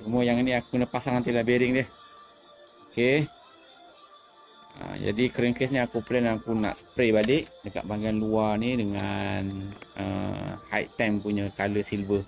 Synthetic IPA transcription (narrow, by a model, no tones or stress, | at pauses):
səmuəjaŋiniakunəpasaŋhant̪̬ilabiɾɪŋdiəh | oke | ə̰d͡ʒa̰dikəɾiŋkɛsniakuplɛnakuna̰ʔsə̥pɾebadɪʔdəka̰ʔ̪̚baŋɡianluarnidəŋanə̰ha̰j̰t̪ampuɲəkaləsilbə